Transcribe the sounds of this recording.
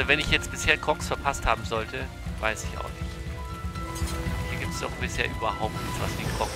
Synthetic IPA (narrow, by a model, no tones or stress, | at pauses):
vɛnɪçjɛt͡stb̥ɪsheːɐkʰʁ̥ɔksfɛɐpʰasthaːbm̩zɔltə | vaɪsɪça̰ʊxnɪçt | hiːɐɡiːp̚tsa̰ʊxb̥ɪsheːɐʔyːbɐɦaʊp̚tnɪçt͡sv̥asd̥ikʰʁ̥ɔk